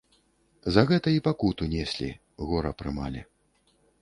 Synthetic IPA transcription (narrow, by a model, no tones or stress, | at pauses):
zɐɣɛt̪ɐipakut̪unʲɛsʲlʲḭ | ɣɔɾɐpɾɨma̰lʲɛ̰